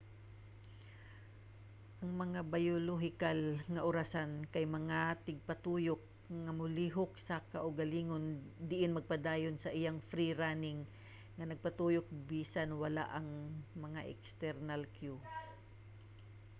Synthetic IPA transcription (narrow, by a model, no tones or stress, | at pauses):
ʔɐŋmɐŋabajoloɦɪkalŋɐʔʊɾasankɐjmɐŋat̪ɪɡ̚pɐt̪uːjok̚ | ŋɐmʊliɦok̚sɐkaʔʊɡɐliːŋond̪ɪʔɪnmɐɡ̚pɐd̪aːjonsɐʔɪjaŋfɾiɾaːnɪŋː | ɐnɐɡ̚pɐt̪uːjok̚biːsanwɐla̰ʔɐŋmɐŋaʔɛ̰kst̪ɛɾnalkju